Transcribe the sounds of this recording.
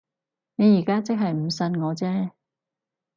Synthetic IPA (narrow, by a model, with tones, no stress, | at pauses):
ne˨˧jiː˨˩kaː˥t͡sɪ˥k̚ɦɐ˨jm̩˨˩sɐ˧nŋɔː˨˧t͡sɛː˥